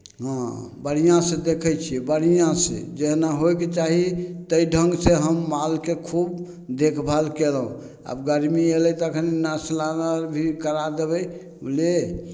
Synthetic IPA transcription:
ɦãbəɽ̤ijãsẽd̪ekʰəjt͡ʃʰibəɽ̤ijãsḛd͡ʒeɦnaɦojket͡ʃaɦit̪əjɖʱəŋɡseɦəmːalkekʰub | d̪ekʰbʱalkelɦũ | a̰bɡəɾmieləjt̪ɔəkʰəninaslanəɾbʱikəɾad̪ebɛj | ule

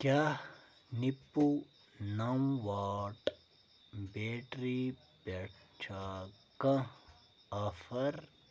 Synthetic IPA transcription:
kjaː | nipːu | nɐmʋaːʈ | beːʈɾi | pɐʈt͡ʃʰaːkɐ̃ | ɐfɐɾ

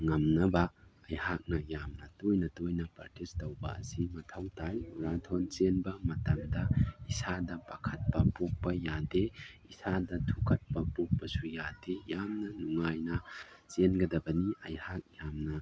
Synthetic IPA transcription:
ŋɐmnɐbɐɐjhak̚nɐjamnɐtojnɐtojnɐpɐ̰ɾtistɐwbɐ̰ɐ̰simɐtʰɐwtʰajuɾatʰont͡ʃenbɐmɐtɐmdɐisadɐpɐkʰɐt̚pɐpok̚pɐjadeisadɐtʰukʰɐt̚pɐpok̚pɐsujadejamnɐnuŋajnɐt͡ʃenɡɐdɐbɐniʔɐjhak̚jamnɐ

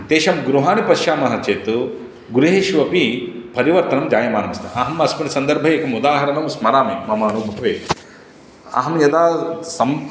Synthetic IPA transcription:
t̪eːʃɐmɡɾuɦaːnipɐʃjaːmɐɦɐt͡ʃeːt̪u | ɡuɾuɦeːʃʋɐpipɐɾiʋɐɾt̪ɐnɐmd͡ʒ̪jaːjɐmaːnɐmɐst̪ɐ̰ʔɐɦɐmɐsmɐnɐsɐnd̪ɐɾbʱɐeːkɐmud̪aːɦɐɾɐnɐmsmɐɾaːmimɐmaːnuːbɐkʰɐʋeː | ɐ̰ɦɐmjɐd̪aːsɐm

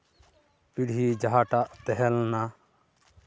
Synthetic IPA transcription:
piɽid͡ʒaɦaːʈaʔt̪ɛɦɛlna

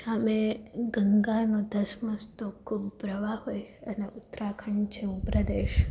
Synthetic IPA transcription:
əmeɡəŋɡanod̪ʱəsməst̪okʰubːɾəʋaɦojəneʔʊt̪ɾakʰəɳt͡ʃʰeupɾəd̪eʃ

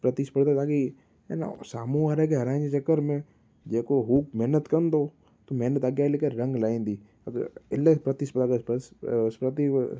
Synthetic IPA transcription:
pɾət̪ispəɽd̪at̪aːki | ḛna̰saːmũaːɾekeɦɐɾãːnit͡ʃəkəɾmẽ | d͡ʒeːkoɦuːk̚mɛɦnət̪kənd̪oː | t̪omɛːnət̪əɡjaːlɪkəɾɾə̃ŋɡlaːĩːnd̪iː | ɐɡɪlepɾət̪ispəd̪aːkesəspɾət̪i

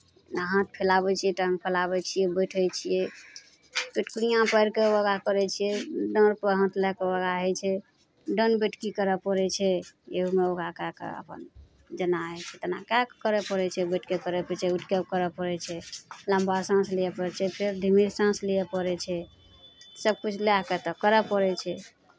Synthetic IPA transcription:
naɦə̃t̪̚pʰelabɛt͡ʃʰijɛʈə̃ŋɡ̚pʰelabɛt͡ʃʰijɛbəʈʰəjt͡ʃʰijɛ | peʈkuɾijãpəjɾkeəɡakəɾɛt͡ʃʰijɛɖəɾpəɦə̃t̪lɛkewəɡaɦɛt͡ʃʰɛ | ɖənbeʈkikəɾɛpəɾɛt͡ʃʰɛeɦumeoɡakakḛə̰pə̰n | d͡ʒənaɦɛt͡ʃʰɛt̪ənakakkəɾɛpəɾɛt͡ʃʰɛbəʈʰkekəɾɛpət͡ʃʰɛuʈʰkeb̚kəɾɛpəɾɛt͡ʃʰɛlãmbasãslijɛpəɾɛt͡ʃʰɛpʰeɾd̪ʱimiɾsãslijɛpəɾɛt͡ʃʰɛ | səb̚kut͡ʃʰleaket̪ɔkəɾɛpəɾɛt͡ʃʰɛ

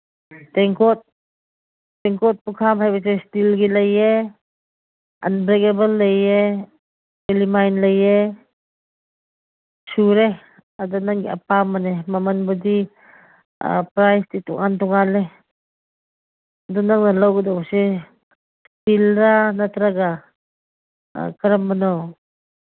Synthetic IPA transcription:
tɛŋkɔt̚ | ɛŋkɔt̚pukʰabhajbas̬estilɡilɐje | anbɾekebəlːɐje | elimajnlɐje | suɾe | adanaŋɡia̰pamanemamɐnbɔdi | pɾajstitṵŋantuŋale | dɔnaŋnalawɡidase | stilɾanatɾaɡa | kəɾambanaw

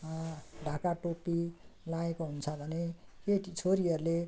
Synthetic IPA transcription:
ɖʱãkaʈopːilaekoɦunt͡sʰʌbʱʌnekeʈit͡sʰoɾiʌrule

